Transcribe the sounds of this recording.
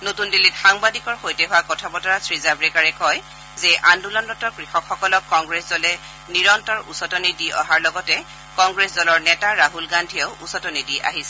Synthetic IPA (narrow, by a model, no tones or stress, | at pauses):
notundilːitxaŋbadikɔɹxojtɛɦʊwakɔtʰabɔtɔɹasɹizabɹɛkaɹɛkɔj | zɛʔandulandɔtɔɹkɹixɔkxɔkɔlɔkːɔŋɡɹɛsdɔlɛ | niɹɔntɔɹusɔtɔnidiʔɔ̰ɦaɹlɔɡɔtɛ | kɔŋɡɹesdɔlɔɹnɛtaɹaɦulɡandʱiɔʊʔusɔtɔnidiʔa̰ɦisɛ